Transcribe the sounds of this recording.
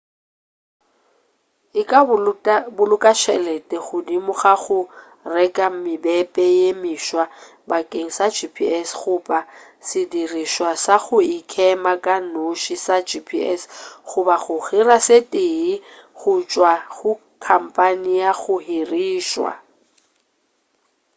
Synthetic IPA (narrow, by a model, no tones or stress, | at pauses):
ɪkʼa | bʊlʊkʼaʃʰɛlɛtʼɛɣʊdimʊχaɣʊ | rɛkʼamɪbɛpʼɛjemiʃwa | bakʼeŋ̩sad͡ʒipʰiɛsɣʊpʼa | sɪdiriʃwasaɣʊɪkʰɛmakʼanoʃisad͡ʒipʰḭɛ̰sɣʊbaɣʊɣirasetʼeːiɣʊt͡ʃʼwaɣʊ | kʰam̩pʼanijaɣʊhiriːʃwa̰